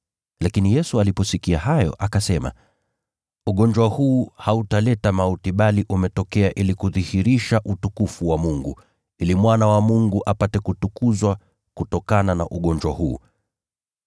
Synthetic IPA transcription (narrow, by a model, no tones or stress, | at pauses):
lakinijɛsualipɔsikiahajɔ̰ʔakasɛma̰ | uɠɔɲd͡ʒwahuːhautalɛtamautiɓaliʔumɛtɔkɛaʔilikuðihiɾiʃaʔutukufuwamuŋɡu | ilimwanawamuŋɡuʔapatɛkutukuzwa | kutɔkanana̰ʔuɠɔnd͡ʒwa̰huː